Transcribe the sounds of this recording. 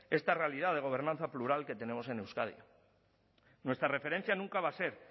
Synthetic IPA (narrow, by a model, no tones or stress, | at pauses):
e̞st̪arealið̞aðe̞ɣ̞o̞β̞e̞ɾnãnθapluɾalke̞t̪e̞ne̞mo̞se̞newskaðjo̰ | nwe̞st̪ɾare̞feɾe̞n̟θjanũŋkaβase̞ɾ